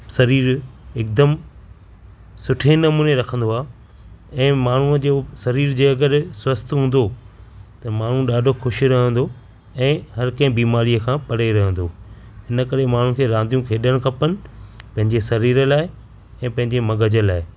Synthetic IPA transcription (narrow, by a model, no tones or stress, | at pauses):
sɐɾiːɾɪːk̚d̪əm | sʊʈʰenɐmuːneɾɐkʰə̃nd̪oaː | ɛ̃ːmaːɳ̤ũəd͡ʑoːsɐɾiːɾd͡ʑeɐɡəɾswɐst̪ɦũːn̆d̪o | t̪ɐmaːɳ̤ũɗaːɖʱoxʊʃɾɐɦə̃nd̪o | ɛ̃ːɦɐɾkɐ̃ɦɪ̃biːmaːɾijəkʰãːpɐɽeɾɐɦə̃nd̪oː | ɪnəkɐɾemaːɳ̤ũkʰeːɾãːnd̪ijũkʰeːɗəɽ̃kʰɐpənɪ̆pɐ̃ɦɪ̃ɲd͡ʑesɐɾiːɾəlaːɪ | ɛ̃ːpɐ̃ɦɪ̃ɲ̆d͡ʑemɐɠəd͡ʑəlaːɪ